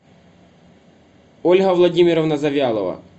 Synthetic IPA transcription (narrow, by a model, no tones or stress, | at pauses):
ɔlʲɦɐʋlˠɐdʲimʲɪɾɔwnɐzɐʋʲalˠɔʋɐ̰